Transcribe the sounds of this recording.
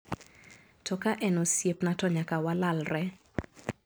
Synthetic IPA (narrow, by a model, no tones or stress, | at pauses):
tɔkaʔɛnosjepnatɔɲakawalalrɛ